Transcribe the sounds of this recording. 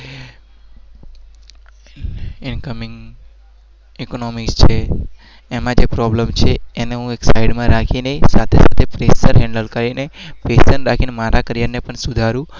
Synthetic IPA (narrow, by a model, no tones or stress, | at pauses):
ɪnkəmɪŋɡ | ikonomikst͡ʃʰeː | mãd͡ʒepɾɔːbləmt͡ʃʰeeneɦũeːksaɪɖmãɾaːkʰineisat̪ʰesat̪ʰepɾeːsəɾɦɛ̃ɳɖəlkəɾinepeːsənɾaːkʰinemaːɾakəɾjanːepəɳsʊd̪ʱaɾũ